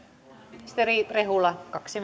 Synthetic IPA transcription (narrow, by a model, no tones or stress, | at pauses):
st̪erirehuˑlːɑkɑksim